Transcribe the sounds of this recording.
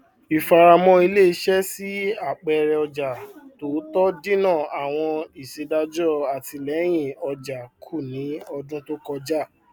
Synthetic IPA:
i˨fa˧ɾa˧mɔ̃˧˦i˧le˦˨i˧˦ʃɛ˦si˦a˦˨k͡pɛ˨˧ɾɛ˧ɔ˧d͡ʒa˨to˨˦tɔ˦dĩ˦nã˦˨a˨w̃ɔ̃˧i˨se˧da˧d͡ʒɔ˦˨a˨ti˧lɛ˨˦j̃ĩ˦˨ɔ˧d͡ʒa˨kʰu˦˨nĩ˨˦ɔ˧dũ˦to˦kɔ˧d͡ʒa˦˨

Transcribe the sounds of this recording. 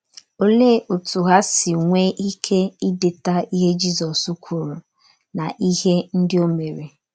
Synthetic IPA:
o˦le˦˨ʔo˨tu˨ɦa˦sɪ˨ŋʷe˦ʔi˦kʰe˦i˦dɪ˨ta˦i˦ɦe˦d͡ʒi˦zɔ˨su˦kʷʰu˨ɾu˨ | na˨ʔi˦ɦe˦n̩˦dɪ˦o˦me˨ɾe˨

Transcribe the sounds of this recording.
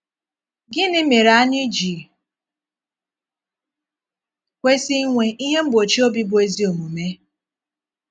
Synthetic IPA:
ɡɪ˦nɪ˦me˨ɾa˦a˦ɲɪ˦d͡ʒi˨ | kʷe˦si˦ŋʷe˦ʔi˦ɦe˦m̩˦bo˨t͡ʃi˦o˦bi˦bʊ˨˦e˦zi˦o˨mu˨me˦

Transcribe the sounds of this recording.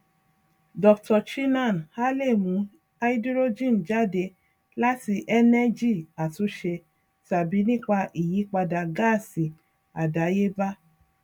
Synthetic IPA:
dɔ˨˧ktɔ˧ʃi˦nã˦˨n˨ha˦le˦˨mũ˨˦ | a˧i˦dɾo˦d͡ʒĩ˦˨n˨d͡ʒa˦˨de˧ | la˦ti˧ʔɛ˦nɛ˦d͡ʒi˦˨a˨tu˨˦ʃe˧ | ta˨bi˨˦nĩ˦k͡pa˧ʔi˨ji˨˦k͡pa˧da˨ɡa˦˨si˨ | a˨da˨˦je˦ba˦

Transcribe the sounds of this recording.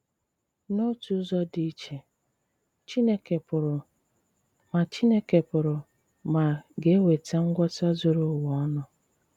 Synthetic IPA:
no˦tu˦zɔ˦di˦t͡ʃe˨ | t͡ʃi˦ne˦ke˨pʊ˨ɾ | ma˨t͡ʃi˦ne˦ke˨pʊ˨ɾʊ˨ | ma˨ɡe˦we˨ta˦ŋ̩˦ɡʷɔ˦ta˦zʊ˨ɾʊ˦wɔ˦nʊ˨

